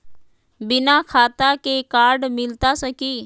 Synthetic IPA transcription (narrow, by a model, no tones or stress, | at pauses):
bɪnakʰaːt̪akekaːɾɖmɪlt̪asəkiː